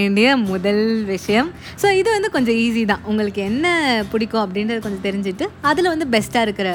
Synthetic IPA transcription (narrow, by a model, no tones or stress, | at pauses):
ɪɳɖɐjɐmʊðɐlʋɪʂɐjɐm | soːɪðɯʋɐnd̪ɯkɔɲd͡ʒɔ̃iːs̬it̪ãːʔʊŋɡɐɭɯkːɯɛnːɐpʊɽɪkːõːɐp̬ːɐɽɪnɾɐðɯkɔɲd͡ʒɔ̃t̪ɛɾɪɲd͡ʒɪʈːɯɐðɪlʋɐnd̪ɯbɛsʈaːɪɾɯkːɯɾɐ